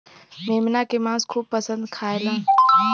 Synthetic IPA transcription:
memnakemãskʰub̚pəsə̃nd̪kʰaelã

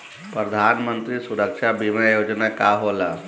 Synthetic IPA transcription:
pɾəd̪ʱanmənt̪ɾiːsuɾəkʂabimajod͡ʒnakaɦola

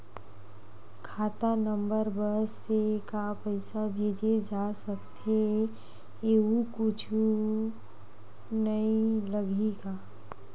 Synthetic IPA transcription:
kʰaːt̪anə̃mbəɾbəsːekapəɪsabʱeːd͡ʒed͡ʒaːsəkt̪ʰe | eːɦukʊt͡ʃʰu | nəĩləɡʱikaː

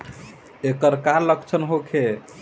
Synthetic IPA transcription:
ekəɾkaɾləkt͡ʃʰənɦokʰe

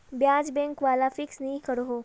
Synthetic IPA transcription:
bjaːd͡ʒbɛ̃ŋkʋaːlafɪksnɐɦĩkɐɾɦoː

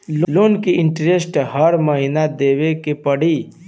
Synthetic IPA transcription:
lloːnkiɪ̃ɳʈɾesʈɦɐɾməɦinad̪eːʋekepɐɽi

